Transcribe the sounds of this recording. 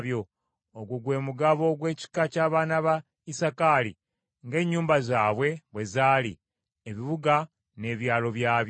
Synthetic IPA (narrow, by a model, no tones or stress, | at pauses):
βjo̞ | oɡwuɡwe̞ːmuɡaβo̞ɡwe̞ːci̥kacaːβaːnaβa | isakalḭ | ŋɡe̞ɲːuːmbazaːβwe̞βwe̞zaːlḭ | eβiβuɡa | ne̞ːβjaːlo̞βjaːβj